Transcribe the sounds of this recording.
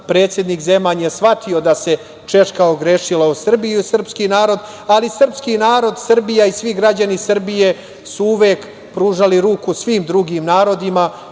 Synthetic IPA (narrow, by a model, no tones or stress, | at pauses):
pɾe̞ːt̪sʲjed̪nikze̞maːɲesʋat̪ʰio̞d̪ase̞ | t͡ʃe̞ʂkaoɡɾeʃilausr̩bijusr̩pskinaːɾo̞d̪ | alisr̩pskinaːɾo̞d̪sr̩bijaisʋiɡɾad͡ʑanisr̩bije̞ | suuʋeːk | pɾuːʒaliɾuːkusʋiːmd̪ɾuɡimnaːɾo̞d̪ima